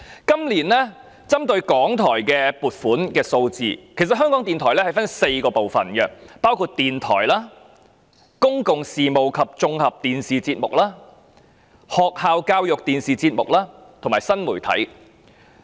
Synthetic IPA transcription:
kɐ˥mliː˨˩nɛː˥ | t͡sɐ˥mt̪ɵ˧ɥkɔː˨˥ŋt̪ʰɔː˨˩jkɛː˧puː˨˩t̚fuː˨˥nkɛː˧so˧wt͡sḭː˨˧kʰe˨˩js̬ɐ˨t̚ɦœː˥ŋkɔ˨˥ŋt̪iː˨nt̪ʰɔː˨˩jlɛː˥hɐ˨jfɐ˥nse˧jkɔː˧po˨wfɐ˨˩nɡɐ˧paː˥wkʰuː˧t̚t̪iː˨nt̪ʰɔ̰ː˨˩jlaː˥ | kʊ˥ŋkʊ˨ŋsiː˨mo˨˩wkʰɐ˨p̚t͡sʊ˧ŋhɐ˨p̚t̪iː˨˩nsiː˨˩t͡siː˧t̚mʊ˨k̚laː˥ | hɔː˨k̚haː˨˧wkaː˧wjʊ˨k̚t̪iː˨˩nsiː˨t͡siː˧t̚mʊ˨k̚laː˥t̪ʰo˨˩maː˨˩jsɐ˥nmuː˨˩jt̪ʰɐ̰˨˥j

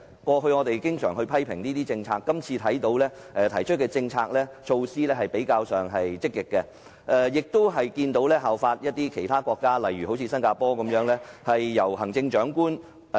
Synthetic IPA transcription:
kʷɔː˧ɦɵ˧ɥŋɔː˨˧t̪e˨jkɪ˥ŋsœː˨˩ŋɦɵ˧ɥpʰɐ˥jpʰɪ˨˩ŋniː˥t̪iː˥t͡sɪ˧ŋt͡sʰaː˧kːɐ˥mt͡sʰiː˧t̪ʰɐ˨˥jt̪o˨˧˥wlɛː˥ | ʔɛː˧t̪ʰɐ˨˩jt͡ʃʰɵ˥t̚kɛː˧t͡sɪ˧ŋt͡sʰaː˧k̚lɛː˥t͡ʃʰo˧wsiː˥lɛː˥hɐ˨jpe˨˥jkaː˧wsœː˨˩ŋɦɐ˨jt͡sɪ˥kːɪ˨kːɛ˧ | ʔɛ˨˧jɪ˨k̚t̪ʊ˥wɦɐ˨jkiː˧nt̪o˨˥wlɛː˥ɦaː˨wfaː˧t̚jɐ˥t̚t̪iː˥kʰe˨˩jt̪ʰaː˥kʷɔː˧kːaː˥lɐ˨˩jɥyː˨ɦo˨˥wt͡sʰiː˧sɐ˥nkaː˧pɔː˥kɐ˨˦mjœː˨˥ŋlɛː˥hɐ˨jːɐ˨˩whɐ˨˩ŋt͡sɪ˧ŋt͡ʃœː˨˥ŋkuː˥n

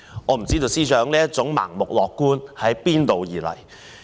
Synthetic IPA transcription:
ŋɔː˨˧m̩˨˩t͡siː˥t̪̬o˨˧wsiː˥sœː˨˥ŋliː˥jɐ˥t͡sʊ˨˥ŋma̰ː˨˩ŋmʊ˨k̚lɔː˨kːuː˥nhɐ˨˥jpiː˥nt̪o˨˧wjiː˨˩lɐ̰˨˩j

